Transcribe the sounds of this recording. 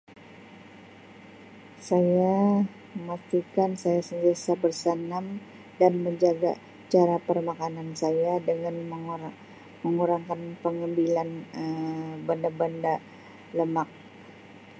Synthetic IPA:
saja | əmat̪ikansajasənt̪iasabərsanam | danməɲd͡ʒaɡa̰ | t͡ʃaɾapərmakanansajadəŋanə | məŋuɾaŋkanpəŋambilanəbandabanda | ləmak̚

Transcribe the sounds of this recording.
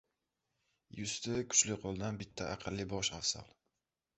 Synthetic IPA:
jʊst̪ɪkʰʊ̥t͡ʃlɪqʰɒlˠd̪anbɪt̪ʰːaʔɑqʰɨlːɪbɒʃa̰fsa̰lˠ

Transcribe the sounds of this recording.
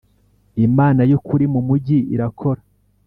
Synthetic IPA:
imaːnajokuɾimumuɟiḭɾakʰo̞ɾa

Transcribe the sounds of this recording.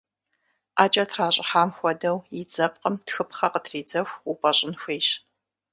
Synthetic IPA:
aːt͡ʃʼɐtʰraːɕʼɪħaːmxʷɔdɐwjɪd͡zɐp̚qəmtxɨpχɐqətʰriːd͡zɐxʷupʼɐɕʼɪnxʷejɕ

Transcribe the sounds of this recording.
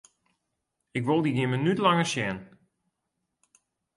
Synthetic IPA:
ɪkʋolˠdiɡɪmənytlɑŋərʃjɛn

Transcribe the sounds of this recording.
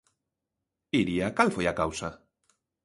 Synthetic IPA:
iɾiakalfeakawsa

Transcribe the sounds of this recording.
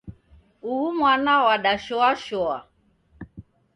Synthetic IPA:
uhumwanawaɗaʃɔaʃɔa̰

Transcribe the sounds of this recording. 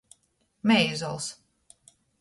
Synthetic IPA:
mɛjzɔlˠs

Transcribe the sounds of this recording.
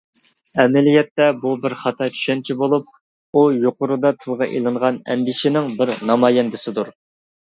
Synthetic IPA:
ɛmɪlijɛt̪ːɛbubɪɾχɑt̪ʰɑt͡ʃʰy̥ʃɛnt͡ʃʰibolˠup̚ | ujoqʊɾud̪ɑt̪ʰɨlˠʁɑʔḭlˠɨɴʁɑnɛ̰nd̪ɪʃɪnɪŋbɪɾnɑmɑjɛnd̪ɪsɪd̪uɾ

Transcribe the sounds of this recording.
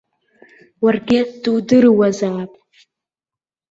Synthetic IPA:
warɡʲɪd̥ɨwdɨrwazaːpʼ

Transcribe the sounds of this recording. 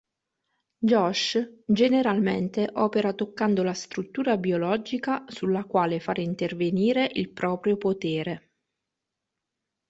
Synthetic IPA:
d͡ʒɔʃd͡ʒeneɾalmḛnt̪eʔɔːpeɾat̪okːand̪olast̪ɾut̪ːuːɾabiolɔːd͡ʒikasulːakwaːlefaɾint̪erveniːɾeʔilpɾɔːpɾjopot̪eːɾe

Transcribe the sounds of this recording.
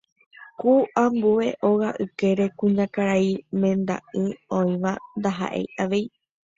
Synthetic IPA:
kuʔambue̞ʔoɣaʔɨke̞ɾe̞kũɲãkaɾaimẽ̞nd̪a̰ʔɨõĩʋand̪aɦa̰ʔe̞̰jʔaʋe̞i

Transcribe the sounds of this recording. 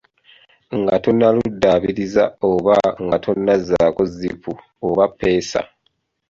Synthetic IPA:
ŋɡatonːaludːaβiɾiza̰oβaŋɡatʰonːazakozipu | oβapːe̞ːsa̰

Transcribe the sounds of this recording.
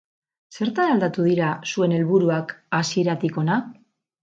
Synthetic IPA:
se̞ɾt̪anald̪at̪uð̞iɾasue̞ne̞lβuɾuakasie̞ɾat̪iko̞na

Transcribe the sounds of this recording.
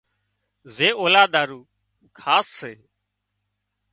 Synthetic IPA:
zeːoːlaːd̪aːɾuː | kʰaːsːeː

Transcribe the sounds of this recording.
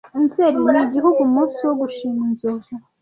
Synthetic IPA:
inzeɾiniɟihuɡumuːsuwoɡuʃiːminzoza

